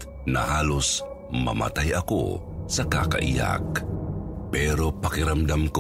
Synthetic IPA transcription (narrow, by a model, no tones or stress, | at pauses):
nɐ̰haːlʊs | mɐ̰ma̰t̪ajɐko̰sakaka̰ʔija̰k | pɛːɾopakɪɾamd̪amk